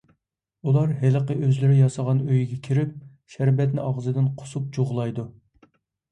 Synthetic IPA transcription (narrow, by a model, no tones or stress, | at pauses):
ulˠɑɾɦɪləqəʔøzlɪɾɪjɑsɑʁɑnøjiɡʲɛkʲʰiɾɪp̚ | ʃæɾbɛt̪nɪɑʁəzɨd̪ɪnqʰʊ̥sup̚d͡ʒoʁlˠɑjd̪u